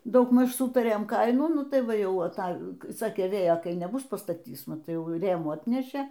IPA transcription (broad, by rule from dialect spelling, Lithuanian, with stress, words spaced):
dɐʊɡˈmɐʃ ˈsʊtɐrʲeːm ˈkɐɪnuː ˈnʊ ˈtɐɪ ˈʋɐ ˈjɛʊ ɐˈtɐ ˈsɑːkʲeː ˈʋʲeːjoː ˈkɐɪ nʲɛˈbʊs pɐstɐˈtʲiːs mɐˈtɐɪ ˈjɛʊ ˈrʲeːmuː ˈɑːtʲnʲɛʃʲeː